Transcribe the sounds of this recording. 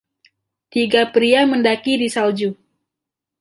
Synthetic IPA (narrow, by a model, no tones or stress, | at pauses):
t̪iɡapɾiaməndakidisald͡ʒu